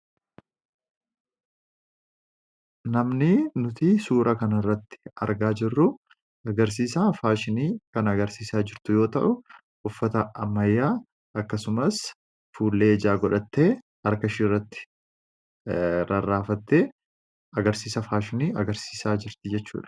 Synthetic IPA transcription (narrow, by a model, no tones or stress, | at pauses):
nɐmnɪnʊt̪ɪsuːɾʔɐkɐnɐrːɐt̪ːɪ̥ɐ̰ɾɡaːd͡ʒɪrːʊ | ɐɡɐɾs̬iːsaːfaːʃɪniːkɐnɐɡɐɾsiːsaːd͡ʒɪɾt̪ʊjo̞ːt̪ɐ̰ʔʊ | ʊfːɐt̪ɐɐmːɐjːaː | ɐkːɐsʊmɐs | fuːlːe̞ːd͡ʒaːɡɔᶑɐt̪ːe̞ː | hɐɾkɐʃɪrːɐt̪ːɪ̥ | ɾɐrːaːfɐt̪ːeː | ɐɡɐɾsiːsɐfaːʃɪniːɐɡɐɾsi̥ːsaːd͡ʒɪɾt̪ɪd͡ʒɛt͡ʃːṵːᶑɐ̥